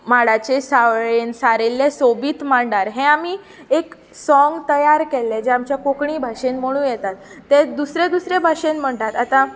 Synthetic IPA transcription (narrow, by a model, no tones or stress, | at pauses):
maɽat͡ɕesaɭensaɾelːesobiːt̪maɳɖaɾɦẽami | ek | sɔ̃ŋɡt̪əjaɾkelːɛd͡ʑeamt͡ɕjakokɳibʱaʂenməɽ̃ũːjɛt̪at̪ː | ed̪usɾed̪usɾebʱaʂenm̤əɳʈ̪at̪at̪ã